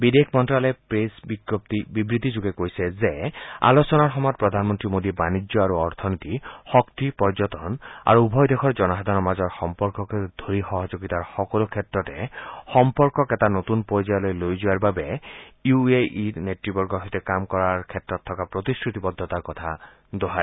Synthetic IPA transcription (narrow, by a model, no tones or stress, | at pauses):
bid̪ekʰmɔntɾalepɹesbiɡɔpt̪ibibɹit̪id͡ʒuɡekojsɛzea̰losɔnaɹxɔmɔjɔt̪̚pɹɔd̪ʱanmɔnt̪ɾimod̪ibanid͡ʒjɔaɾuɔɾt̪ʰɔnit̪ixɔkt̪ipɔd͡ʒɔt̪ɔna̰ɾubʱɔjd̪ekʰɔɹd͡ʒɔnɔɦad̪ʱanɔmazɔɹxɔmpɔɹkɔked̪ʱoɾixɔɦɔd͡ʒoɡit̪aɹxɔkɔlukʰet̪ɹɔtexɔmpɔɾkɔket̪anot̪unpɔɾjd͡ʒajɔlojlojd͡ʒuaɾbabejueʔineʈɾibɔɾɡɔɦɔjt̪ekamkɔɾaɹkʰet̪ɾɔt̪ʰːɔkapɾot̪iskɹit̪ibɔd̪ʱːɔt̪aɾkɔt̪ʰa | d̪oɦa